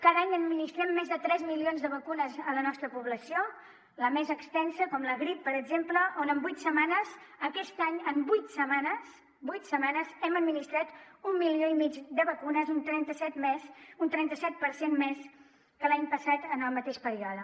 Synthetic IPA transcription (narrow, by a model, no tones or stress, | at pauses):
kaðaɲəd̪minist̪ɾɛmːezðət̪ɾɛzmilionzðəβ̞əkunəzələnɔst̪ɾəpuβləsio | ləmezəkst̪ɛnsəkɔmləɣɾipːəɾəɡzempləʔonəmbujt̪səmanəzəkɛst̪aɲəmbujt̪səmanəs | bujt̪səmanəzɛməd̪minist̪ɾat̪umːilioimid͡ʒd̪əβəkunəzunt̪ɾɛnt̪əsɛt̪mɛsunt̪ɾɛnt̪əsɛt̪̚pəɾsenmes | kəlaɲpəsat̪ənəlˠmət̪eʃpəɾiɔðə